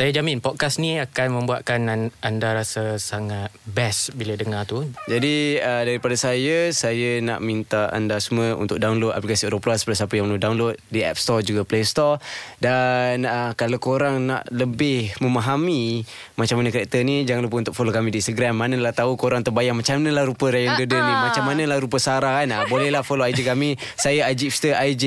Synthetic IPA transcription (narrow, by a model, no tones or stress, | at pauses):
sajad͡ʒamɪnpɔt̪̚kasniakanmə̃mbuat̪̚kanandaɾasasaŋat̪̚bɛsbiladəŋat̪ud͡ʒadiədaɾipadasajəsajəna̰ʔmint̪aa̰ndasuməṵnt̪ʊk̚daunlod̚a̰plikasioɾəplasəpərtisapəjaŋməludawnlod̚diɛ̰p̚st̪ɔd͡ʒuɡaplest̪ɔdanəkalawkoɾaŋna̰ʔləbɪhməmaɦamimat͡ʃamːanəkəɾɛk̚t̪ənid͡ʒaŋanlup̬ənt̪ʊk̚folokamidiːnst̪əɡɾamːanəlaht̪aukoɾaŋt̪ərbajaŋmat͡ʃamanəlahɾupəɾajəŋdədənimat͡ʃamːanəlahɾupəsaɾaɦanabolɛhlahfoloajd͡ʒikami | sajaad͡ʒifst̪əʔajd͡ʒi